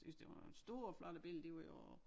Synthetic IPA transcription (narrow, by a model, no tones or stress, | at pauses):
ysd̥e̝ʋɑ̈nsd̥o̝ːɐflɑɾ̥əb̥el̰d̥e̝ʋɑjo